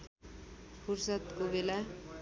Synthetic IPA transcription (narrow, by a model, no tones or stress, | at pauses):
pʰursʌt̪kobela